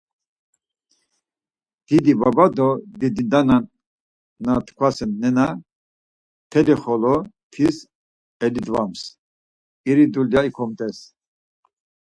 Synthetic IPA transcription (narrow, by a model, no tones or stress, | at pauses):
d̪̥id̪ibabad̪ɔd̪id̪id̪ananː | at̪ʰkʰwasɛnːɛna | t̪ʰɛd̪iχɔlɔt̪ʰis | ɛlid̪vams | iɾid̪uljaikʰɔmt̪ʼɛs